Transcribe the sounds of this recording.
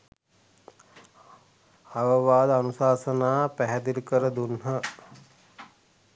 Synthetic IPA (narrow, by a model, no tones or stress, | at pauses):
aʋəʋaːd̪əanusaːsənaːpæɦɛd̪ilukəɾəd̪unɦə